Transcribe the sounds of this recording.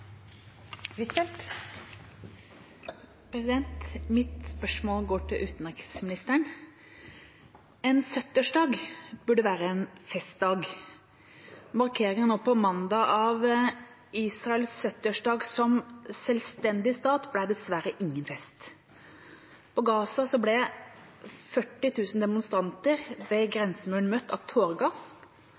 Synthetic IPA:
ʋɪt̪ʰɛlt̪ | pʰɾɛsɪd̪ɛnt̪mɪt̪spœʂmoːlɡoːʈʰɪlʔʉːt̪nɪksmɪnɪst̪əɳ | ɛnsœt̪əʂɖɑːɡbʉɖəʋæːɾəɛnfɛst̪̚d̪ɑːɡ | mɑɾkʰeːɾɪŋənoːpɔmɑnd̪ɑʔɑʋ | iːsɾɑɛlsœt̪əʂɖɑːɡsɔmsɛlst̪ɛnd̪ɪst̪ɑːt̪blæd̪ɛsʋæɾəʔɪŋːənfɛst̪ | pʰɔɡɑːsɑsɔblɛ | fœʈːɪt̪ʰʉːsn̩d̪ɛmʊnst̪ɾɑnt̪əɾʋɛɡɾɛnsəmʉːɳmœt̪ːɑʋt̪ʰoːɾɡɑs

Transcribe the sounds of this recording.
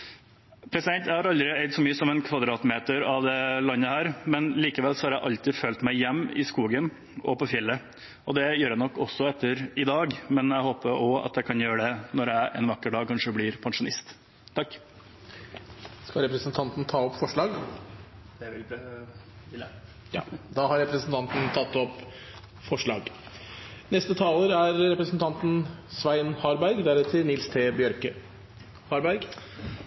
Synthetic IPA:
pʰɾɛsɪd̪ɛnt̪jæɪhɑɾɑld̪ɾɪɛɪd̪sɔmyːəsɔmɛnkʰʋɑd̪ɾɑːt̪meːt̪əɾɑʋd̪ɛlɑnːəhæːɾmɛnliːkəʋɛlsɔhɑɾjæɪʔɑlt̪ɪfølt̪mæɪjɛmːɪ̰skuːɡən | ɔ̰pɔfjɛlːə | ʔɔd̪ɛjøːɾjænɔkːɔsːɔɛt̪ːəɾɪd̪ɑːɡmɛnæɪhoːpəɾɔɑ̰t̪j̪ækʰɑnjøːɾəɖ̪ɛnɔɾæʔɛ̰nʋɑkːəɖɑːɡ̚kʰɑnʂəblɪːɾpʰɑnʂʊnɪst̪ | t̪ʰːɑkː | skɑɾɛpɾəsnt̪ʰɑnt̪n̩t̪ʰɑːɔpfɔʂɭɑːɡ | d̪̥ɛɪ | jɑ̰ːd̪ɑːɦɑɾɾɛpɾəsn̩t̪ʰɑnt̪n̩t̪ʰɑt̪ːɔpː | fɔʂɭɑ̰ːɡ | nɛst̪ət̪ʰɑːləɾæɾɾɛpɾəsn̩t̪ʰɑnt̪n̩sʋæɪnhɑɾbæɾɡd̪æɾɛt̪ʰɪnɪlst̪ʰeːbjœɾkə | hɑɾbæɾɡ

